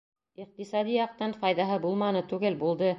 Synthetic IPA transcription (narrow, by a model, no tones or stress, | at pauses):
iq̚t̪isɑd̪ijɑq̚t̪ɑnfɑjðɑɦɤbulˠmɑnɤt̪ʉɡɘlbulˠd̪ɤ